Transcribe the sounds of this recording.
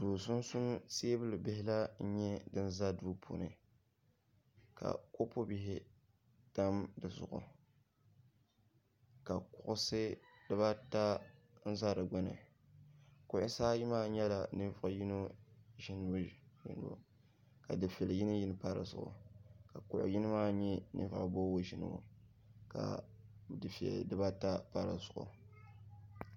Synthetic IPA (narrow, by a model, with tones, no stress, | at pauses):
d̥uː˨sʊ˦n˦sʊ˦n˦seː˦bɨ˦lɨ˨bɪ˦hɪ˦la˦n̩˦ɲɛ˦dɨ˦n̩˦za˦duː˦pʰo̰˨nɨ̰˨ | ka̰˨ko˦po˦bi˨ɦɪ˨ | d̥a˦mdɨ˨zʊ̰˨ʔʊ̰˨ | ka˨kʊ˨ʔʊ˦sɨ˦d̥ɨ˦βa˦ta˦ | n̩˦za˦ɾɨ˨ɡ͡bɔ˦nɨ̰˨ | kʊ˨ʔɪ˦saː˦ji˦maː˦ɲɛ˦la̰˨nɨ˦vʊ˨ji˦no˦ʒi˦nɨ˦bji˨nɨ̰˨bṵ˨ | ka˨dɨ˨fɛ˨lji˦nɨ˦ji˦nɨ˦pa˦ɾɨ̰˨zʊ̰˨ʔʊ̰˨ka˨kʊ˨ʔʊ̰˨ji˦nɨ˦maː˦ɲɛ˦nɨ̰˦va̰˨ʔbo˦wo˦ʒi˨nɨ̰˨bṵ˨ | ka̰˨ | dɨ˨fɛ̰˨ldɨ˦ba˦ta˦pa˦ɾa̰˨zʊ˨ʔʊ̰˨